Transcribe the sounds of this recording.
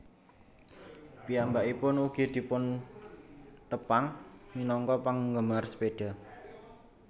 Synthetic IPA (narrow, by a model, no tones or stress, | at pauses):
piambaʔipʊnuɡ̥i̤d̪̥i̤pʊn | t̪əpaŋminɔŋkɔpaŋɡəmarsə̥peɖ̥a̤